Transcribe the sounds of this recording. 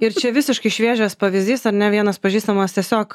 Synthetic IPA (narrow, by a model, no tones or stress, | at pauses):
ɪɾt͡ʃʲɛʋʲɪsʲɪʃkɐɪʃʲʋʲiɛʒʲoːspɐʋʲɪzʲd̪ʲiːsɐɾnʲɛʋʲiɛnɐspɐʒʲiːst̪ɐmɐːst̪ʲiɛsʲoːk